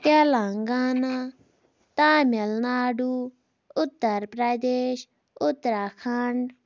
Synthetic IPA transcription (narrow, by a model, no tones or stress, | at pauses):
t̪alãːŋɡaːnaː | t̪ãːmɪlnaːɖuː | ʊt̪ːəɾpɾad̪eːʃ | ʊt̪ːɾakʰaɳɖ